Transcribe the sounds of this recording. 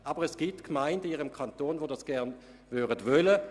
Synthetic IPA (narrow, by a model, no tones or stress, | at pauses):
ʔɑːbəʁɛsɡ̥ip̚tkmaɪndəiːʁəmkʰantoːnvodɑsɡ̥ɛɐn | vyːdədvœlə